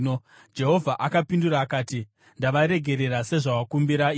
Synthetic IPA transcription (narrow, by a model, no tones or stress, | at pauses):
o | d͡ʒe̞ɦo̞vʱaʔakapinduɾaːkaːti | ndaʋaɾe̞ɡʱe̞ɾe̞ɾase̞ʐawakumbiɾai